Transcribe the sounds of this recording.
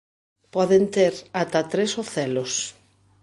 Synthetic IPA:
pɔðent̪eɾat̪at̪ɾesoθɛlos

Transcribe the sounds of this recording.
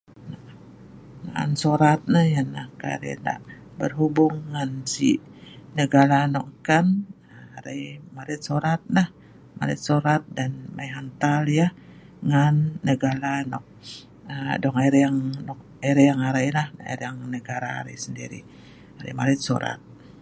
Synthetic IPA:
na | naa̰nsoɾat̪̚nəhjanahka̰ɾḭnda̰ʔbərɦubʊŋːansḭnəɡaɾanɔkŋkan | əaɾaimaɾɪt̪̚soɾat̪̚nah | ma̰ɾɪ̰t̪̚soɾat̪̚danmajɦant̪alja | ŋanːəɡaɾanɔk̚ | ədɔŋaɾejaŋnɔk | aɾejaŋaɾajlaha̰ɾjaŋnəɡaɾa̰ːɾa̰jsəndḭɾḭ | aɾa̰jmaɾɪt̪̚so̰ɾa̰t̪̚

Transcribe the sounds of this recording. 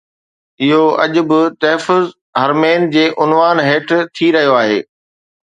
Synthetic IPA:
ɪɦoɐ̰ʄʊ̆bɪt̪ɐɦfʊz | ɦɐɾmeːnd͡ʑeːʔʊnʋaːnɦeːʈʰt̪ʰiɾɐɦijoaːɦeː

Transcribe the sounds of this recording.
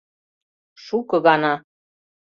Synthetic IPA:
ʃukɤ̆ɣɑnɑ

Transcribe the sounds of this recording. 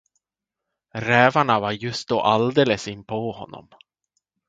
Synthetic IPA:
ɾɛːvaɳavaɾjɵst̪̚d̪oːʔald̪eːləsɪnːpʰɔhɔ̰nːɔ̰m

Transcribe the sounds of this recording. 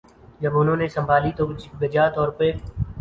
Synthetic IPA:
d͡ʒəbʊnɦõːneːsəmbʱaːliːt̪oːɡəd͡ʒaːt̪ɔːɾpeː

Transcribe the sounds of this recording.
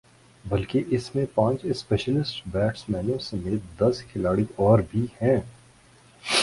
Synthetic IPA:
bɐlkeʔɪsmẽpãːt͡ʃɪspɛːʃəlɪsʈbɛːʈsmɛːnõsɐmeːt̪̚d̪ɐskʰɪlaːɽiʔɔːɾbʱihɛ̃ː

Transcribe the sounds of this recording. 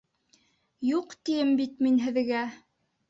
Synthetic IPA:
juqt̪ijɘmbit̪minɦɘ̆ðɡæ

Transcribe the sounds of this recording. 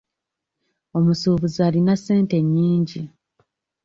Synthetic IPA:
o̞musuːβuzaːlinasːe̞ːnte̞ɲːiːɲɟi

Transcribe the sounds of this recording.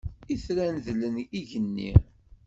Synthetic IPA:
iθɾænðləniʝənːḭ

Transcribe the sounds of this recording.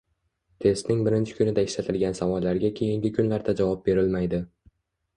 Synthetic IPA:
t̪ʰe̞st̪nɪŋbɪɾɪnt͡ʃʰɪ̥kʰʊnɪd̪aɪʃlat̪ʰɪlɡʲansavɒlːaɾɡʲakʲʰejɪŋɡʲɪkʰʊnlaɾd̪ad͡ʒavɒp̚be̞ɾɪlmajd̪ɪ

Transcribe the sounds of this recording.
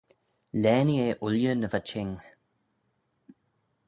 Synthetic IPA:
lɛːnieʔʊljənəvat͡ʃɪŋ

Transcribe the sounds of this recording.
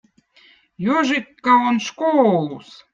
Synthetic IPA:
joʒikːaonʃkoːlˠus

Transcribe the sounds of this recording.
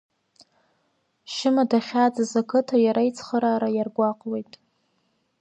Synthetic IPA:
ʃɪmadaχʲad͡zazakʰɨtʰajaɾait͡sʰχəɾaːɾajarɡʷaqʼwe̞jtʼ

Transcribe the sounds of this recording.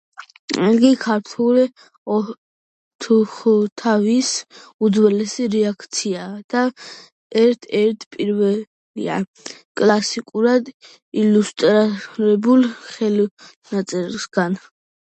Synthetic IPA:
ɛɡikʰaɾt̪ʰulɛ | ɔ | t̪ʰuχt̪ʰavisud̪zwɛlɛsiɾɛakʰt̪sʰiad̪̥a | ɛɾt̪ʰɛɾt̪ʰpʼiɾvɛ | lḭa̰ | kʼlasikʼuɾad̪ | ilust̪ʼɾaɾɛbulχɛl | nat̪sʼiɾsɡan

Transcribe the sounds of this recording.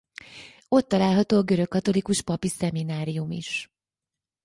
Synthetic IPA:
o̞t̪ːɒlaːlɦɒt̪oːɒɡø̞ɾø̞kːɒt̪o̞likuʃpɒpisɛminaːɾijumḭʃ

